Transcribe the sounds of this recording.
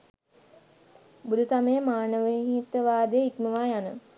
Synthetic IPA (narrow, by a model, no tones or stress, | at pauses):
bud̪ʱusaməjəmaːnəʋəɦit̪əʋaːd̪əjikməʋaːjanə